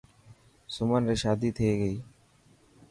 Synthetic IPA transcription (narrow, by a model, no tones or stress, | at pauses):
sʊmənɾeʃaːd̪it̪ʰeːɡəiː